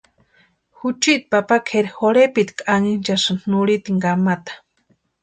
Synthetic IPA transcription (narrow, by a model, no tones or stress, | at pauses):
xut͡ʃit̪̚papakʰeɾxoɽepit̪kʼaŋint͡ʃasannuɽit̪iŋɡamat̪ḁ